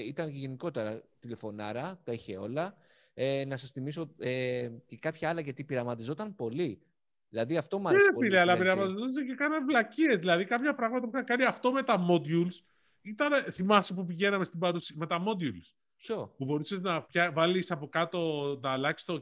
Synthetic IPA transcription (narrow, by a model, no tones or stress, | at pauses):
it̪ɐnʝʝe̞niko̞t̪e̞ɾɐt̪ile̞fo̞nɐ̰ɾɐt̪ɐiçe̞o̞̰lɐ | enɐsɐsθimisoecekɐpçɐɐlɐʝɐt̪ipiɾɐmɐt̪izo̞t̪ɐmpo̞li | ðilɐðiɐft̪o̞mɐepileɐlɐpiɾɐmɐt̪izot̪secekɐnɐnvlɐcie̞zðilɐðikɐpçɐpɾɐɣmɐt̪ɐpuxɐkɐniɐft̪o̞me̞t̪ɐmo̞d̪uls | it̪ɐnθimɐsepupiʝe̞nɐme̞st̪ibɐɾusime̞t̪ɐmo̞d̪juls | sopubo̞ɾiseznɐpçɐvɐlisɐpo̞kɐt̪o̞nɐlɐçist̪o